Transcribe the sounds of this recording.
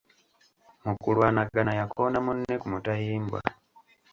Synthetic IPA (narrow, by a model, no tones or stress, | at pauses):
mukulwanaɡanajakʰoːnamunːe̞kumutahiːmbwa̰